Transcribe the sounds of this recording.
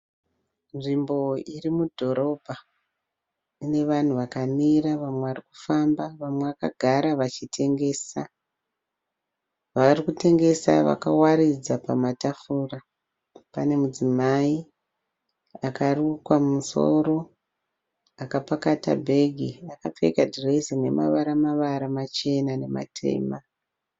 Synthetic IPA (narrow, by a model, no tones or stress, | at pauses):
nʐimbo̞irimudʱo̞ɾo̞bʱa | ine̞ʋan̤uʋakamiɾaʋamweʋariku̥fambaʋamwe̞ʋaka̰ɡʱaɾaʋat͡ʃitʰe̞ŋɡe̞ːsa | ʋaarikute̞ŋɡe̞sa̰ʋa̰kawaɾid͡zapamatafuːra | pane̞mud͡zimai | akarukwamuso̞̰ɾo̞ | akapakata̰bʱe̞ɡʱiakap͡fe̞̰kadresine̞̰ma̰ʋaɾamaʋaɾamat͡ʃe̞nane̞ma̰tʰe̞̰ːma